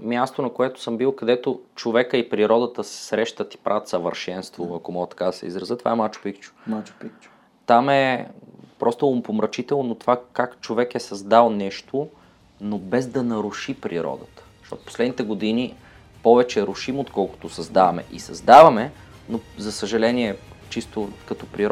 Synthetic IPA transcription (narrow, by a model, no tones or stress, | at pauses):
mʲjast̪onɐkoɛt̪ʊ̥səmbilˠkɐd̪ɛt̪ot͡ʃovɛkəipɾiɾɔd̪ət̪əsɛ̥sɾɛʃt̪ət̪i̥pɾʔavət̪sɐvə̰ɾʃɛnst̪voɐkomɔɡət̪ɐ̥kad̪ɐsɛ̰ḭzɾɐzət̪va̰ɛmat͡ʃo̥pikt͡ʃʊ̥mat͡ʃpikt͡ʃ | t̪amɛ | pɾʔɔst̪əompomɾət͡ʃit̪ɛlˠnonot̪ovakakt͡ʃovɛkɛsɐzd̪alˠnɛʃt̪o | nobɛzd̪ɐnɐɾʊʃipɾḭɾɔ̰d̪ət̪ə̥ʃt̪ɔ̰t̪ʊ̥po̥slɛd̪nit̪ɛɡod̪ini | pɔvɛt͡ʃɛɾʊʃimot̪kɔlˠkʊ̥t̪osɐzd̪avɐmɛ̰ʔisɐ̰zd̪avɐmɛnozɐsəʒɐlɛniɛt͡ʃist̪okɐt̪ɔpɾiɾɔ